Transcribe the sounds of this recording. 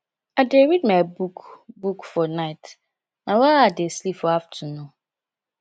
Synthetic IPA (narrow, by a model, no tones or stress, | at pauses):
adeɹidmãbukʰbukfɔnaɪt | nãwaadeslipfɔaftʰunʊ̃